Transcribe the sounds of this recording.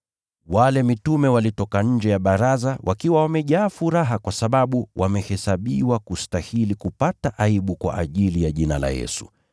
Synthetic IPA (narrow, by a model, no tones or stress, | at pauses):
walɛmitumɛwalitɔkaɲ̩d͡ʒɛjaɓaɾazawʔakiwawamɛʄaːfuɾaɦakwasaɓaɓuwʔamɛhɛsaɓiwakustahilikupataʔaiɓukwa̰ʔaʄilijaʄinala̰jɛ̰su̥̰